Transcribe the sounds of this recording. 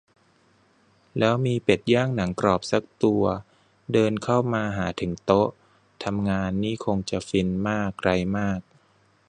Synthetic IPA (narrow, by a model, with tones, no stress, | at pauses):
lɛː˦˥wmiː˧pe˨˩t̪̚jaː˥˩ŋna˩˦ŋkɾɔː˨˩p̚sa˨˦˥k̚t̪u˧ɐ | dɤː˧nkʰa˥˩wmaː˧ɦaː˩˦t̪ʰɯ˩˦ŋt̪o˦˥ʔ | t̪ʰa˧mŋaː˧nːiː˥˩kʰo˧ŋt͡ɕa˨˩fi˧nmaː˥˩k̚ɾa˧jmaː˥˩k̚